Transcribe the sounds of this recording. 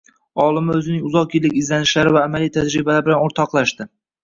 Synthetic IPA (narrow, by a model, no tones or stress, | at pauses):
ɒlˠɪmɪɵzɪnɪŋʊzɒqkilːɪkʲɪzlanɪʃlaɾɪvaːmalijt̪ʰad͡ʒɾɪbalaɾbɪlanoɾt̪ʰɒqlˠaʃt̪ɪ